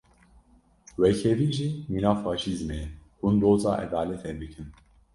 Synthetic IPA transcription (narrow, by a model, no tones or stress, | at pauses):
wɛkʰɛviːʒiːminɑːfɑːʃizmɛhund̪oːzɑ̰ːʔɛ̰d̪aːlɛt̪ʰɛbɨkʰɨn